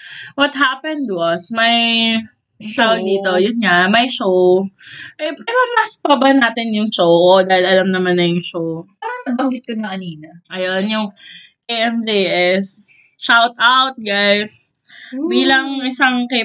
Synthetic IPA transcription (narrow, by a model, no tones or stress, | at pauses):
wɔt̪̚ɦaːpɛnd̪wɔsmɐj | ʃowd̪iːt̪o̞jʊnɲamɐjʃow | ʔɛpɛmɐmɐspɐbɐnaːt̪ɪnjʊŋʃowʔod̪aːhɪlʔɐlɐmnɐmanːɐjʊŋʃowpaːɾɐŋɐbɐŋɡɪt̪̚konɐkɐniːnɐʔɐjonjʊŋ | ʔeɛmd͡ʒeʔɛs | ʃawt̪awt̪̚ɡajs | biːlɐŋʔɪsaŋkɛ